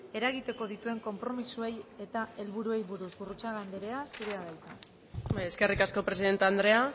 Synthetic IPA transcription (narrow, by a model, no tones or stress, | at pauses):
e̞ɾaɣit̪e̞ko̞ð̞it̪ue̞ŋko̞mpɾo̞misue̞je̞t̪ae̞lβuɾue̞jβuɾuzβurut͡saɣand̪eɾe̞asiɾe̞aðajt̪a | baje̞ske̞rikasko̞pɾesiðe̞nt̪eand̪ɾe̞a